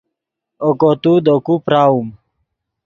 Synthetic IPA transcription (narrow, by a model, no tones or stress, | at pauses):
okot̪ud̪okupɾaːum